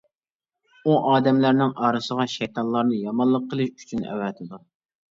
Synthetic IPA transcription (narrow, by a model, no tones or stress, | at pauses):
uʔɑːd̪ɛmlæɾnɪŋɑːɾɨsəʁɑʃɛjt̪ʰɑnlˠɑɾnɨjɑmɑlˠːəqʰːəlˠɨʃy̥t͡ʃʰynɛ̰wɛt̪ʰɪd̪u